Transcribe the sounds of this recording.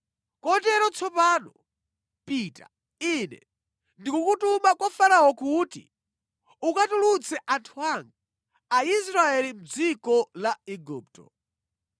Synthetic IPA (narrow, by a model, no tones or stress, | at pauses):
kɔtɛɾɔt͡sʰɔpaːnɔ | piːta̰ | inɛ̰ | ndikukutumakɔfanawɔkutḭ | ukatulut͡sʰɛʔantʰuaŋɡa | ais̬ɾaɛlim̩d͡zikɔlaɛɡuːp̚tɔ̰